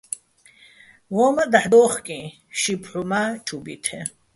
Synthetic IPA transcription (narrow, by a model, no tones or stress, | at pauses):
wɔmad̪aħd̪ɔːχkʼĩ | ʃipʰħumat͡ʃʼubit̪ʰɛ